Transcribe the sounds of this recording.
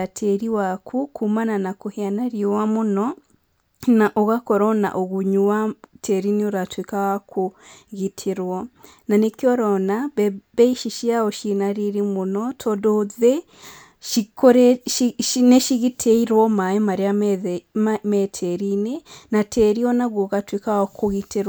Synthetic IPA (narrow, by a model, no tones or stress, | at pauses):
atʰeɾiwakʰukʰumananakuhianaɾiowamuno | naʔoɣakoɾona̰ʔoɣuɲuwatʰeɾinioɾatwekawakʰuɣitʰiɾwo | nanekjɔɾonaβebeiʃiʃiaoʃinaɾiɾimunotʰodoze | ʃikoɾeʃineʃiɣitʰeiɾwomajemaɾea | metʰeɾinenatʰeɾionaɣoɣatwikawakʰuɣitiɾwa